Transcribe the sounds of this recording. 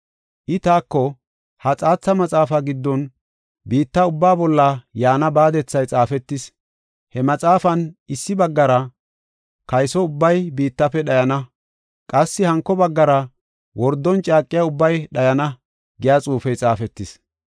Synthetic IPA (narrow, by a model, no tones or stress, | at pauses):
ʔɪt̪aːkːɔ | hɐt͡sʼaːt͡sːɐmɐt͡sʼaːfɐɡɪd̪ːɔn | biːt̪ːɐʊbːaːbɔlːɐjaːnɐbaːd̪ɛt͡sːɐjt͡sʼaːfɛt̪ːɪs | hɛmɐt͡sʼaːfɐnɪsːɪbɐɡːɐɾɐ | kɐjsɔʊbːɐjbiːt̪ːɐfɛɗɐjɐnɐ | kʼɐsːɪhɐŋkːɔbɐɡːɐɾɐ | wɔɾd̪ːɔnt͡ʃʼaːkʼːɪjaʊbːɐjɗɐjɐnɐ | ɡɪjaːt͡sʼuːfɛjt͡sʼaːfɛt̪ːɪs